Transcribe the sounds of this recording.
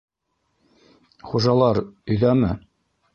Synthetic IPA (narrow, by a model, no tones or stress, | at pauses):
χuʒɑlˠɑɾɵ̆jðæmɘ